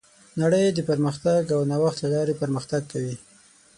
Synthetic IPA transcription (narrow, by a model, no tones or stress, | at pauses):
naɽəjd̪əpəɾməxt̪aɡawnawaxt̪lalɑɾepəɾməxt̪aɡ̚kawi